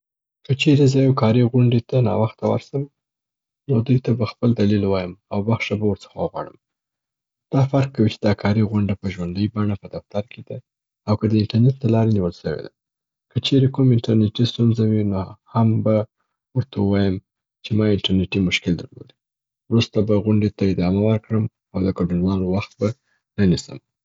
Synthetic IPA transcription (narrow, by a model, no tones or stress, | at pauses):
kət͡ʃeɾezɑjokɑɾiɣʊɳɖet̪anɑ̰waxt̪awa̰ɾsaw | nod̪ujt̪abaxpəld̪alilwɑjəmawbaxʃabawəɾt͡sə̥xawəɣwɑ̰ɽə̰m | d̪̥ɑfaɾkːawit͡ʃe̥d̪ɑkʰɑɾiɣwʊɳɖapəʒwand̪əjbɑɳapəd̪aft̪aɾked̪a | awkəd̪əɪɳʈaɾneʈ̚d̪əlɑɾeniwəlʃəwḛd̪a̰ | kət͡ʃeɾekumɪɳʈaɾneʈist̪unzawinohamba | wəɾt̪ʰawəwɑjəm | t͡ʃemɑɪɳʈaɾneʈimʊʃkɪld̪əɾlo̰d̪i̥ | wɾust̪abaɣʊɳɖet̪aɪd̪ɑmawəɾkɽəm | awd̪əkaɖunwɑlowaxt̪ba | nənisə̰m